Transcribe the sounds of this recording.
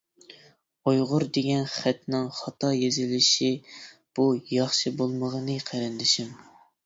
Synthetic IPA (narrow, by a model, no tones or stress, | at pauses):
ojʁʊɾd̪eɡʲɛnχæt̪nɪŋχɑt̪ʰɑjezɪlɪʃib̥ujɑχʃɨbolˠməʁənɨqʰæɾɛnd̪ɪʃɪm